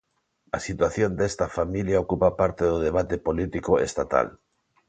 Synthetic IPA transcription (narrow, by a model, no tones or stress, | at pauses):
a̰sit̪waθjond̪est̪afamiljaokupapaɾt̪eðoðeβ̞at̪epolit̪ikoest̪at̪a̰l